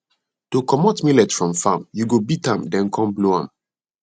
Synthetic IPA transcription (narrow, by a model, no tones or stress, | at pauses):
tokɔmɔtmilɛtfɹɔ̃mfãmjuɡobitãmdɛ̃nkʰɔ̃mbloã̰m